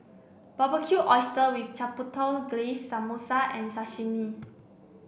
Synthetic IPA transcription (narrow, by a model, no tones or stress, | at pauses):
bɔbəkʰjuʔɔjstəwift͡ʃaputʰɔlɡlesːamosaʔɛ̃nsaʃimi